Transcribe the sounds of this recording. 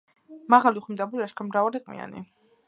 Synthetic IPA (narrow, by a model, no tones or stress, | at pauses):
maʁaliuχimd̪abulaʃkʰamɾavaɾɛqʼmḭa̰nḭ